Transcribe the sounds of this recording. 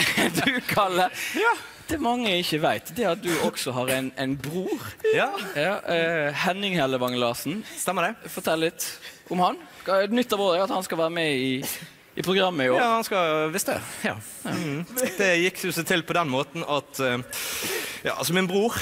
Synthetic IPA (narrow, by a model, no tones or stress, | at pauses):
d̪ʉkʰɑlːə | d̪̥ɛːmɑŋːəɪçːəʋæɪt̪d̪ɛæɑt̪̚d̪ʉɔksɔɦɑɾæɪnæɪnbɾuːɾjɑːhɛnːɪŋhɛləʋɑŋəlɑːsn̩st̪ɛmːəd̪ɛfɔt̪ʰɛləlɪt̪ːʔʊmhɑnnʏt̪ːɑboːd̪ɛɑt̪hɑnskɑʋæːɾəmɛɪ | ʔɪpʰɾʊɡɾɑmːəɪoːɑhɑnskɑʋɪst̪d̪ɛ̰jɑ̰ | d̪ɛjɪkʊsɛt̪ʰɪlpʰɔd̪ɛnmoːt̪n̩ɑt̪ | jɑ̰ːsɔmɪnbʁuːɾ